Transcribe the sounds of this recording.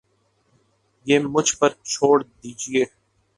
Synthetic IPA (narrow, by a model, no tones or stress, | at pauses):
jeːmʊd͡ʒʱpəɾt͡ʃʰoːɽd̪iːd͡ʒieː